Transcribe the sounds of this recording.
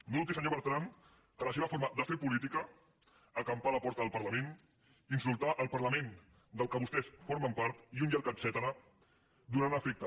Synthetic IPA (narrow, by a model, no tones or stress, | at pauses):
nonut̪isəɲoβəɾt̪ɾan | kələseβɐfoɾməd̪əfeɾpulit̪ikəː | kampaləpɔɾt̪əðəlˠpəɾləmen | insulˠt̪aʔəlˠpəɾləmẽn | d̪əlˠkəβust̪ɛsfoɾməmpaɾt̪iund͡ʒəɾkənsɛt̪ənə | d̪unanəfek̚t̪ə